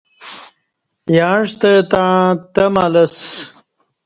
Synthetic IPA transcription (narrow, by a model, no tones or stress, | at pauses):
jaːɳʂt̪et̪ãːt̪ɐmalɐs